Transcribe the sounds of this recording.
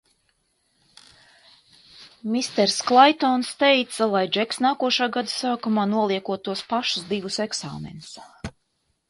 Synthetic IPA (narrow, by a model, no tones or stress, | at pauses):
mʲist̪ɛɾsklˠajt̪ɔnst̪ɛjt̪salˠajd͡ʒɛksnaːkuɔʃaːɡad̪usaːkumaːnuɔlˠiɛkuɔt̪ːuɔspaʃu̥sd̪ivuseksa̰ːmḛnus